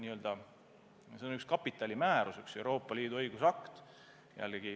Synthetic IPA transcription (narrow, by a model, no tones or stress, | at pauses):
niːø̞ld̪̥ɑ | se̞onykskɑpːˑit̪ːˑɑlʲimæːɾusykse̞wɾo̞ːpˑːɑliːd̪uɤjɡ̥usɑkt̪ | jæ̰lːeɡ̥i